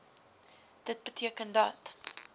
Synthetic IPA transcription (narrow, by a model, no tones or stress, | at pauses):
d̥ət̚bətʰiəkəndɐt